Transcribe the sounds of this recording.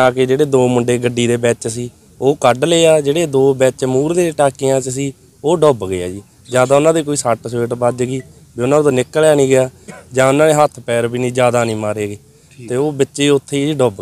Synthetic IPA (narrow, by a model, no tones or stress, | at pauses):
aːkeːd͡ʒeːɽeːd̪oːmʊɳɖeːɡəɖiːd̪eːbɛːt͡ʃsiː | oːkəɖleːaːd͡ʒeːɽeːd̪oːbɛːt͡ʃmuːɾd̪eːʈaːkijãːt͡ʃsiː | oːɖɔːbɡɪja̰ːd͡ʒiː | d͡ʒjaːd̪aːʊnãːd̪eːk̬oːiːsaʈsʋeːʈbad͡ʒɡiː | biːʊnãːt̪õːnɪkːəlaːnĩːɡɪjaːd͡ʒãːʊnãːneːɦət̪ʰpɛːɾbiːnĩːd͡ʒjaːd̪aːnĩːmaːɾeːɡeː | t̪eːoːbɪtːʃeʊt̪ʰːeːiiːɖɔːb